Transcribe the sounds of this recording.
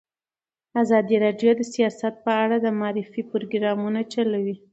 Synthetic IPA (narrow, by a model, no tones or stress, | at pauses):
azɑd̪iɾɑɖjod̪əsijɑsat̪̚pəaɽad̪əmɑɾɪfipɾoɡɾɑmunat͡ʃalawi